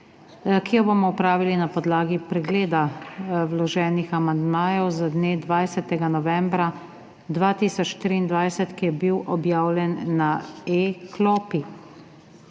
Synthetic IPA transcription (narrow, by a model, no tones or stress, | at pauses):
kijɔbomɔupɾaːʋilinapɔd̪laːɡipɾɛɡleːd̪awlɔʒɛːnixamand̪maːjɔwzad̪neːd̪ʋajsɛt̪ɛɡanɔʋɛmbɾa | d̪ʋaːt̪isɔt͡ʃʃt̪ɾiːnd̪ʋajsɛt̪kijɛbiwʔɔbjaːwlʲjɛnːaeklɔːpi